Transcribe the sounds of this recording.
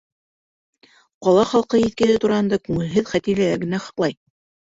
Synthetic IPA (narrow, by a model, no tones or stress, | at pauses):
qɑlˠɑχɑlˠqɤjiθt̪̚kɘ̆lɘt̪uɾɑɦɤ̆nd̪ɑkʉŋɘ̆lɦɘðχæt̪iɾlælæɾɡɘ̆næχɑ̥̆qlˠɑj